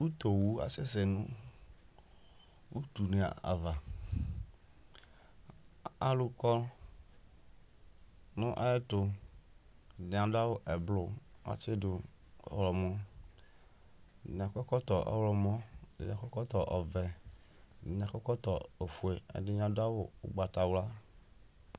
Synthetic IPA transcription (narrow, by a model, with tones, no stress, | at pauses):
wu˦t̪o˨wu˦a̰˨se˦se˨nʊ̃˦ | wu˦t̪u˨ne˨a̰˨a̰˨va˨ | a˦lu˦kɔ˦l | nʊ̃˦ʔa̰˦ɛ˦tʊ˦˨ | nẽ˨ã˨da˦wo˦ʔɛ˨blʊ˦a̰˦t͡ʃɪ˦dʊ˨ | ɔ̰˦wlɔ˨mɔ̃˦˨ | n˨a˨kɔ˦kɔ˦t̪ɔ˨ʔɔ̰˦wlɔ˨mɔ̃˦d̰ã˨kɔ˦kɔ˦t̪ɔ˨ʔɔ˨vɛ˨ | ɲ˨ã˨kɔ˦kɔ˦t̪ɔ˨e˨fu˨e˨ḛ˨dɪ˦ɲ˦ã˨dʊ˦a˦wʊ̰˦ɡ͡ba˨t̪a˨wla˦